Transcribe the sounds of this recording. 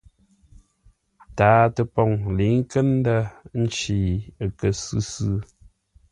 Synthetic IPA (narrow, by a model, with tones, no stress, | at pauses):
taː˦tə˨pɔ˨ŋli˨˦ŋ˦kə˦n˦da˦n̩˦t͡ʃi˨ə˨kə˨sɨ˦sɨ˦